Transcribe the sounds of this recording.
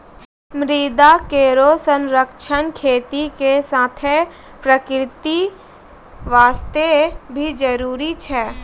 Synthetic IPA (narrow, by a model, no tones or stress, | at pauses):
mɾiːd̪akeːɾosə̃nɾəkʃənkʰeːt̪ikesaːt̪ʰe | pɾəkɾɪt̪i | ʋaːst̪ebʱid͡ʒəɾuːɾit͡ʃʰɛː